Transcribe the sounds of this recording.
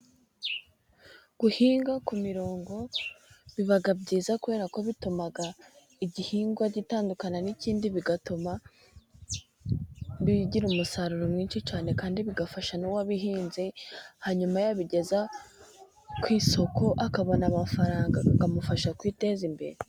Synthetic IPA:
ɡ̥uhiːŋɡakumiɾo̞ːŋɡo̞βiβaɡabɟiːzakuβe̞ːɾako̞βitumaɡa | iɟihiːŋɡwaɟitaːndukananiciːndiβiɡatoma | βiɟiɾumusaɾuɾomŋiːnʃit͡ʃaːne̞kaːndiβiɡafaʃanowaβiɦiːnzihaɲumajaβiɟe̞za | kwiːso̞ko̞ʔakaβo̞namafaɾaːŋɡakamufaʃakwiːte̞zimbe̞̰ɾe

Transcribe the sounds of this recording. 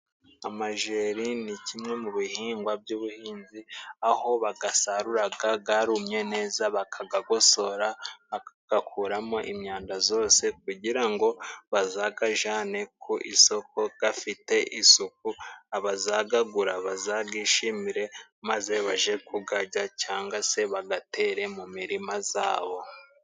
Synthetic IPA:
amaʒeːɾinicʰimŋe̞muβihiːŋɡwab̚juːβuhiːnziaho̞βaɡasaɾuɾaɡaɡaɾumɲe̞ne̞ːzaβakʰaɡaɡo̞so̞ɾaβakaɡ̥akʰuːɾamo̞ʔimɲaːndazo̞ːse̞k̚uɟiɾaŋɡo̞βazaɡaʒaːne̞kʰuʔiso̞ko̞ɡ̥afite̞ʔisuk̚uaβazaɡaɡuɾaβazaɡiːʃimiɾe̞maze̞βaʒe̞kʰuɡaɟacaːŋɡwase̞βaɡate̞ːɾe̞mumiɾimaza̰ːβo̞

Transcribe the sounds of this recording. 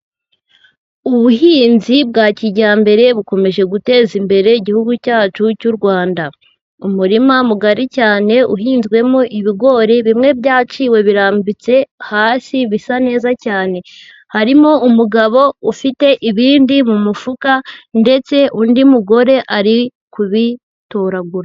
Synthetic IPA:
uβuɦiːnzib̚ɡaːciɟaːmbe̞ɾe̞βuko̞me̞ʒe̞ɡute̞ːzimbe̞ɾe̞iɟihuɡucaːt͡ʃucuɾɡwaːnda | umuɾimamuɡaɾicaːne̞ʔṵɦiːnzɡwe̞moʔiβiɡo̞ɾeβimŋe̞bɟaːt͡ʃiwe̞βiɾaːmbit͡se̞haːsiβisane̞ːzacaːne̞ | haɾimoumuɡaβo̞ufite̞ʔiβiːndimumufukande̞t͡se̞ʔundimuɡo̞ɾe̞ʔaɾi | kuβi | toɾaɡuɾa

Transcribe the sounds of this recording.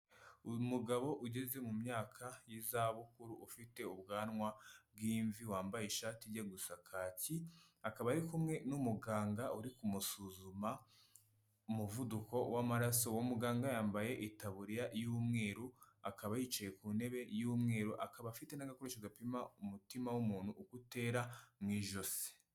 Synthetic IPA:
muɡaβo̞ʔuɟe̞ze̞mumɲaːkʰajizaβukuɾuʔːfite̞ubɡaːnŋwab̚ɡiːɱviwaːmbajiʃaːtiɟaɡusakʰaːciakaβaɾikumŋe̞numuɡaːŋɡauɾikumusuzuma | umuvuduko̞wamaɾaso̞womuɡaːŋɡajaːmbaje̞ʔitaβuɾijaʔjuːmŋe̞ːɾuakaβajiːt͡ʃaje̞kuːne̞βe̞juːmŋe̞ːɾuʔakaβafite̞naɡakoɾeʃoɡapimaumutimawumuːnhuːkute̞ːɾamŋiːʒo̞se̥

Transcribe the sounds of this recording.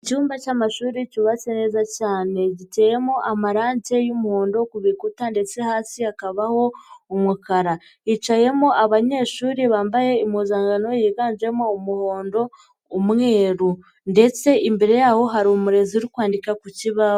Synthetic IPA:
ecuːmbacaːmaʃuːɾicuβasene̞zacaːne̞ɟiteje̞moʔamaɾaːɲɟe̞jumuhoːndo̞kuβikutande̞t͡se̞haːsiakaβaho̞umukaɾa | it͡ʃaje̞moʔaβaɲe̞ːʃuːɾiβaːmbaje̞imuːzaːŋɡano̞jiɡaːɲd͡ʒe̞moumuho̞ːndo̞ː | mŋe̞ːɾu | nde̞t͡se̞ʔimbeɾe̞jaho̞ɦaɾomuɾe̞ziuɾikwaːndikakuciβa

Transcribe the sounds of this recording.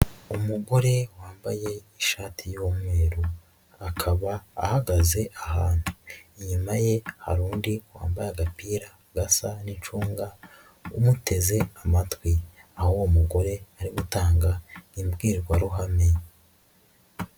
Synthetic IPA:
umuɡo̞ɾe̞waːmbaje̞iʃaːtʰijomwe̞ːɾu | akʰaβa̰ːhaɡaze̞ʔahaːn̥huiɲumaje̞ha̰ɾuːndiwa̰ːmbajaɡapiːɾa | ɡasanit͡ʃuːŋɡa | umute̞ze̞amatwi | ahoumuɡo̞ɾe̞aɾiɡutaːŋɡaimbɡiːɾɡwaɾuɦame̞

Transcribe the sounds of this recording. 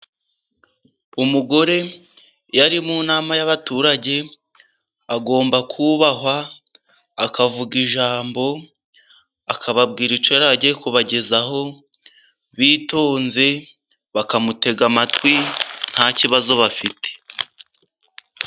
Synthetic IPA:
umuɡo̞ɾe̞ | jaɾimuːnaːmajaβatuːɾaɟe̞ | aɡo̞ːmbakʰuβaɦwaː | kavuɡiʒaːmbo̞ | akʰaβab̚ɡiːɾit͡ʃojaɾaɟekuβaɟe̞zaɦo̞ | βiːto̞ːnze̞ | βakamute̞ɡamatwin̥haciβazo̞βafitʰe̥

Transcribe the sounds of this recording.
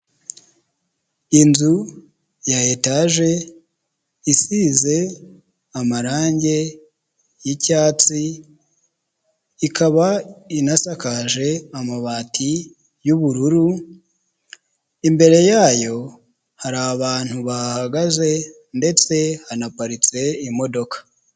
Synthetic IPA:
inzu | jajetaʒe̞ | isiːze̞ | amaɾaːɲɟe̞ | jicaːt͡si | ikʰaβainasakaʒe̞amaβaːtʰi | juβuɾuɾu | imbe̞ɾe̞jaːjo̞ | haɾaβaːn̥huβahaɡaze̞ | nde̞t͡se̞hanapaɾit͡se̞imo̞do̞kḁ

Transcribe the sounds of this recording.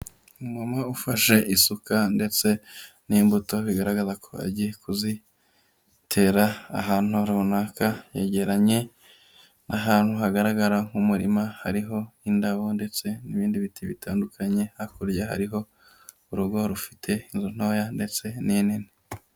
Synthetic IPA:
umamaufaʃe̞ʔisukande̞t͡se̞ | niːmbuto̞βiɡaɾaɡazakʰo̞a̰ɟijekuzi | tʰe̞ɾa̰ːɦaːn̥hoɾaβunaːkaje̞̰ɟe̞ɾaɲe̞ | naɦaːn̥huɦaɡaɾaɡaɾaŋ̥umuɾimahaɾiɦo̞indaβo̞nde̞t͡se̞niβiːndiβitʰiβitʰaːndukʰaɲe̞hakuɾjaha̰ɾiɦo̞ | uɾuɡo̞ɾufi̥tʰe̞inzun̥o̞ːjande̞t͡se̞ninini

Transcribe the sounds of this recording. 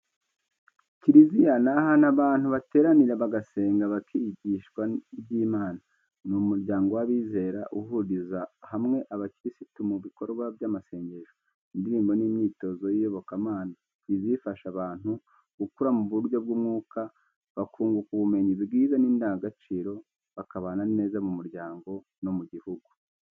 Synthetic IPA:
ciɾizijanahanaβaːn̥huβate̞ːɾaniɾeβaɡase̞ːŋɡaβakʰiɟiːʃkwaibɟiːmaːna | numuɾɟaːŋɡo̞waβiːze̞ːɾaʔuɦuɾizahamŋe̞ʔaβaciɾisitumuβiko̞ɾɡwaβjamase̞ːɲɟe̞ʒo | indiɾiːmbo̞nimɲiːto̞zo̞jiɾo̞βo̞kamaːna | izifaʃaβaːn̥u | ɡukuɾamuβuɾjo̞b̚ɡumŋuːka | βakʰuːŋɡukuβume̞ɲiβiɡiːzaniːndaɡat͡ʃiːɾo̞ | βakaβaːnane̞ːzamumuɾɟaːŋɡo̞ | no̞muɟihuɡu

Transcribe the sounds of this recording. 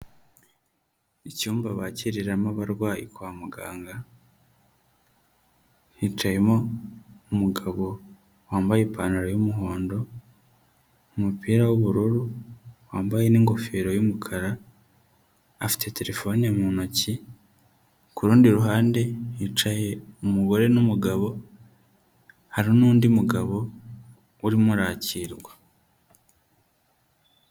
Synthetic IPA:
icuːmbaβaciɾiɾamaβaɾɡwaːjḛkwaːmuɡa̰ːŋɡa | hit͡ʃaje̞mo̞umuɡaβo̞ | waːmbajepʰaːnaɾojumuɦo̞ːndo̞ | umupʰiːɾawuβuɾuɾuwaːmbaje̞niːŋɡo̞feːɾo̞jumukʰaɾa | fi̥tʰe̞te̞ɾe̞fo̞nijamunoci | kuɾuːndiɾuɦaːnde̞it͡ʃaje̞umuɡo̞ɾe̞numuɡaβo̞ | haɾionuːndimuɡaβo̞ | uɾimuɾaːciɾɡwa

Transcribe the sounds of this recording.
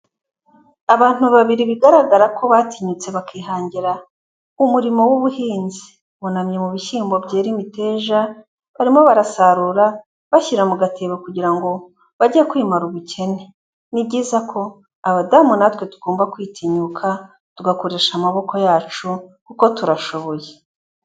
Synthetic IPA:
aβaːn̥uβaβiɾiβiɡaɾaɡaɾakʰo̞βatʰiɲut͡se̞βakʰiːɦaːɲɟiɾa | umuɾimo̞wuβuhiːnzi̥ | βunamɲe̞muβiçiːmbo̞bɟe̞ːɾimite̞ːʒa | βaɾimo̞βaɾasaɾuɾa | βaçiɾamuɡatʰe̞βokuɟiɾaŋɡo̞ | βaɟiekwiːmaɾuβucʰe̞ne̞ | nibɟiːzakʰo̞ | aβadaːmunatwe̞tu̥ɡ̥oːmbakwiːtʰiɲukʰa | tuɡako̞ɾe̞ːʃamaβo̞ko̞jaːt͡ʃukuko̞tuɾaʃo̞βo̞je

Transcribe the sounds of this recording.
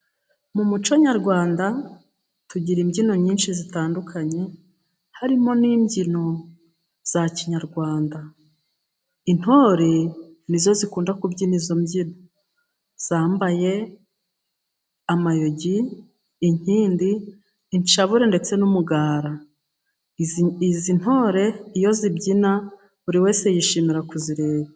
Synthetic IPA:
mumut͡ʃoɲaɾɡwaːnda | tuɟiɾimɟino̞ɲiːnʃizitaːndukʰaɲe̞ | haɾimo̞niːmɟino̞ | z̥aciɲaɾɡwaːnda | in̥ho̞ːɾe̞nizo̞zikuːndakubɟinizo̞mɟino̞ | z̥aːmbaje̞ | amajo̞ɟiː | ɲ̥iːndiː | ɲt͡ʃaβuɾe̞nde̞t͡se̞numuɡaːɾa | zin̥ho̞ːɾe̞ijo̞zibɟina | βuɾiwe̞ːse̞jiʃiːmiɾakuziɾe̞ːβa

